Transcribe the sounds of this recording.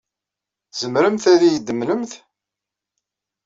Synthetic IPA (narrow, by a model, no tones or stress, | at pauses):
z̥əmɾəmθæɾijəd̪ːəmləmθ